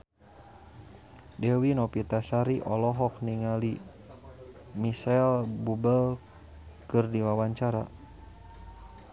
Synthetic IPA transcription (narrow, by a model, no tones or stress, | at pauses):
dɛwinɔpit̪asaɾiʔɔlɔɦɔk̚niŋali | misalbubəl | kɨrdiwawaɲt͡ʃaɾa